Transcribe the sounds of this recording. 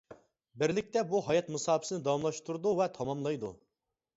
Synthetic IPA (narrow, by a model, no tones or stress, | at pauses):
bɪɾlɪk̚ʲt̪ɛbuɦɑjɑt̪mɨsɑːpʰɪ̥sɨnɪd̪ɑwɑmlˠɑʃt̪uɾd̪uvɛt̪ʰɑmɑmlˠɑjd̪ṵ